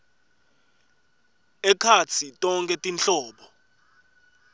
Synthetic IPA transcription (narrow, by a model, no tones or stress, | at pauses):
ɛkʰat͡sʰitʼɔŋkʼɛtʼint͡ɬɔːɓɔ